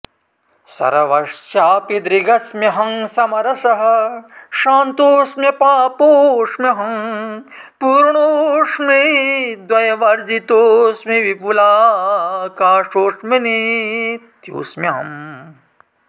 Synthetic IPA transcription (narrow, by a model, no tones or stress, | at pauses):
sɐ̰ɾɐʋɐʂt͡ʃaːpid̪ɾiɡɐsmɐɦɐŋsɐmɐɾɐsɐɦɐ̆ʃaːnt̪oːsmɐpaːpoːʂmeɦɐm | puːɾɳoːʂmid̪wɐjɐʋɐɾd͡ʒit̪oːsmiʋipulaː | kaːʂoːʂmeni | t̪jo̰ːsmjɐɦɐ̰m